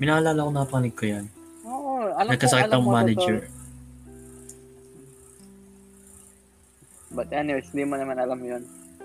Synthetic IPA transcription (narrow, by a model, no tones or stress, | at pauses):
mɪnahɐlaːlɐkonɐkɐpɐkɐnɪɡ̪̚kojanoːʔoɐnɐɡ̚kːɐsɐkɪt̪ːɐmaːnɛd͡ʒɛɹ | bɐt̪ɐnoɪsliːmɐnɐmanɐlamjon